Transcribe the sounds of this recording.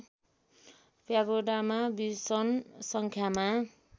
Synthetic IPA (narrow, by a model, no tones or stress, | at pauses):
pjaɡoɖamabisʌnsʌŋkʰjama